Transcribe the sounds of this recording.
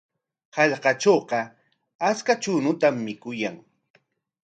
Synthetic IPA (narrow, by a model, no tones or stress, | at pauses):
hɑʎqɑt͡ʃoːqɑ | at͡skat͡ʃʊnʊt̪amːɪkʊjaŋ